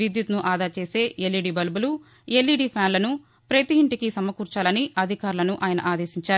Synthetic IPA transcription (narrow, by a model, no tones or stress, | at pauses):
id̪jut̪nuʔaːd̪ʱaːt͡ʃeːse̞ːeliɖiːbɐlbulu | elːiːɖipʰaːnlɐnu | pɾɐt̪iiɳʈikisɐmɐkuːɾt͡ʃaːlɐniɐd̪ʱikaːɾlɐnuʔaːjɐnɐ̰ʔaːd̪e̞ːsiɲt͡ʃaːɾu